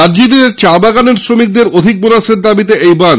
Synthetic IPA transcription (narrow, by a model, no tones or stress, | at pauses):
aɾd͡ʑid̪eɾt͡ɕabaɡaneɾsɾomik̚d̪eɾod̪ʱik̚bonaʃeɾd̪abit̪eʔejban